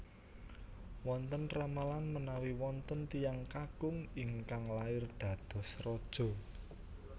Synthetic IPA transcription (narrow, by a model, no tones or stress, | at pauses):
wɔnt̪ənramalanmənawiwɔnt̪ənt̪ijaŋkaɡ̥ʊŋiŋkaŋlaɪrd̪̥ä̤d̪̥ɔ̤srɔd̥ʒ̥ɔ̤